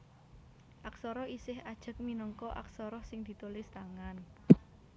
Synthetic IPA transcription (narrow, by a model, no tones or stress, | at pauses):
ʔaksɔɾɔisɪhad̥ʒ̥ə̤k̚minəŋkɔʔa̰ksɔɾɔhsɪŋd̪̥i̤t̪ulɪst̪aŋan